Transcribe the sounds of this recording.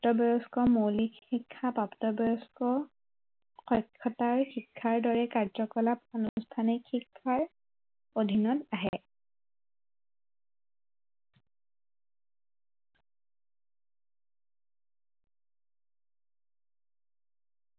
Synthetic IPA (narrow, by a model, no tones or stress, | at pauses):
tɔbɔɹɔskɔmowlikikʰːapaptɔbɔɹɔskɔ | xɔjkʰːɔtaɹxikʰːaɹdɔɹɛkaɹzɔkɔlaponustʰanikxikʰːaɹ | od̪ʱinɔtaɦɛ